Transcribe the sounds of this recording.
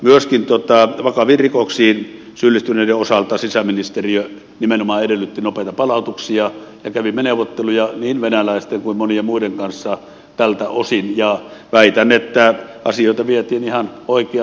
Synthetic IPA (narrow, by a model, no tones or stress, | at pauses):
myøskint̪uot̪ɑʋɑkɑʋiːrrikoksiːn | sylːist̪yneˑideosɑlt̪ɑsisæminist̪eriø | nimenomɑːedelːyt̪ːinopeˑt̪ɑpɑlɑut̪uksiɑjɑkæʋimːeneuʋot̪ːelujɑniːnʋenælæˑist̪eŋkuimmoniemuideŋkɑnsːɑ | t̪ælt̪æosinjɑʋæit̪ænːˑet̪ːæɑ̰sioˑit̪ɑʋiet̪iːnihɑnoˑike